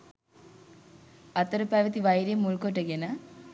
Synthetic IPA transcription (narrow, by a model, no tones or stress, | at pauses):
ɐt̪ːɐɾɐpaːʋɐt̪iʋɐjɾjemuɭkoʈːɐɡenɐ